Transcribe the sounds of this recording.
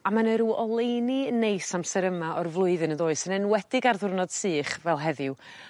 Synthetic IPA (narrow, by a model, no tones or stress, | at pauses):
amanəɾuːʔɔlˠejninejsamsɛɾəmaɔrvlˠʊɨðɨnəðoːɨsənɛnwɛdɪɡarðʊrnɔd̥sɨːχvɛlˠɦɛðɪw